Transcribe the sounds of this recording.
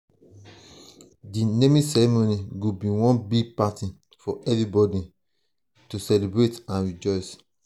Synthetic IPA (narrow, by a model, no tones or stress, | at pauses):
dinemĩsɛɹimoniɡobiwɔ̃nbiɡ̚patĩ | fɔɛvɹibɔdi | tusɛlibɹetãnɹid͡ʒɔɪs